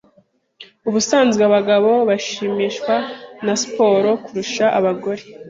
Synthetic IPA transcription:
uβusaːnzɡaβaɡaβo̞βaʃiːmiːʃkwanaspo̞ːɾo̞kuɾuʃaʔaβaɡo̞ɾe

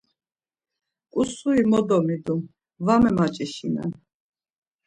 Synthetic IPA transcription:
kʼusuimɔd̪ɔmid̪um | vamɛmat͡ʃʼiʃinɛ̰n

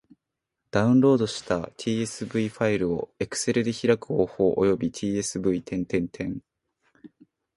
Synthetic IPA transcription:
d̪̥aɯ̟̃nɾo̞ːd̪o̞ɕi̥t̪a̰t̪ʲʰiːe̞sɨbɯ̟iɸaiɾɯ̟o̞e̞kɯ̟̥se̞ɾɯ̟d̪e̞çiɾakɯ̟o̞ːho̞ːʔo̰jo̞bʲit̪ʲʰiːe̞sɨbɯ̟it̪ʰẽ̞nt̪ẽ̞nt̪ʰẽ̞ŋ

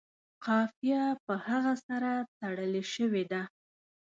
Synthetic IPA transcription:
qɑfijapəhaɣasaɾat̪aɽəleʃəwed̪a

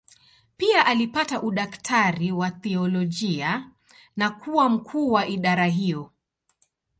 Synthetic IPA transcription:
piaʔalipataʔuɗaktʰaɾiwaθiɔlɔʄia | nakuwam̩kʰuːwaʔiɗaɾaɦijɔ

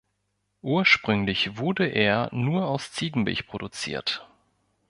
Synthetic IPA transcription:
ʔuːɐʃpʁ̥ʏŋlɪçv̥ʊɐdəʔeːɐnuːɐaʊst͡siːɡŋ̩bɪ̰çpʁ̥odut͡sḭːɐt

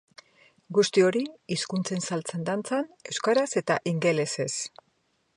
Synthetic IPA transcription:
ɡust̪io̞ɾiiskunt͡se̞nsalt͡send̪ant͡sane̞wskaɾase̞t̪aʔiŋɡe̞le̞se̞s

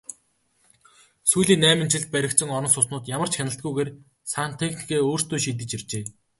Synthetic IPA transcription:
sujɮiːnːæːmɪ̆nt͡ɕʰɪ̆ɮt̪̚pæɾʲɪ̆kt̪sɘ̆ŋɔɾɞ̆nsʊsnʊːt̪jamə̆r̥t͡ɕxʲanə̆ɬt̪̚ɡujɣeːr | saːn̥t̪ʰekni̥keːoːrst̪oːʃiːt̪̬ɘ̆t͡ɕert͡ɕeː

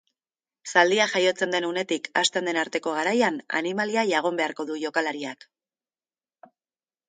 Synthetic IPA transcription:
sald̪iaxajo̞t͡se̞nd̪e̞nune̞t̪ika̰st̪end̪e̞naɾt̪e̞ko̞ɣ̞aɾajana̰nimaliaʝaɣ̞o̞mbe̞aɾko̞ðuʝo̞kalaɾiak

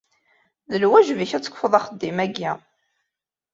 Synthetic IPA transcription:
ðəlwæʒviçæt͡sːə̥kʷːfəðˤɑχəd̪ːimæɡːi

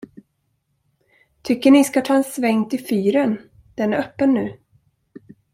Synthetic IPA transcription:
t̪ʰʏkːəɳɪskat̪ʰɑːɛnsvɛŋt̪ʰɪfyːɾən | d̪̥ɛnæɾœpːənːʉ̟ː

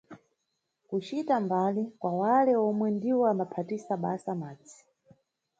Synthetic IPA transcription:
kut͡ʃitambalikwawalɛɔmwɛndiwɔamapʰatisaɓasamaːd͡zi̥

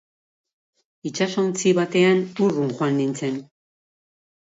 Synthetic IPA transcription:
it͡ʃasownt͡siβat̪e̞anuruŋxwanːint͡se̞n

